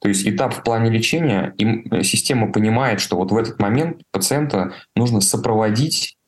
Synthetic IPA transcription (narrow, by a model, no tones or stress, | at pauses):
t̪oɪsʲtʲɪt̪apfplˠanʲɪlʲɪt͡ɕenʲɪjə̰imsʲɪsʲtʲe̞məpənʲɪmajɪt̪ʂt̪o̞vo̞t̪vɛt̪ə̥t̪mɐmʲe̞nt̪̚pət̪sɨɛnt̪ənuʐnəsəpɾəvɐdʲitʲ